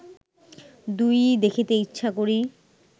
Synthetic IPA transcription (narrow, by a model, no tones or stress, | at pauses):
d̪ujd̪ekʰit̪eitːɕʰakoɾi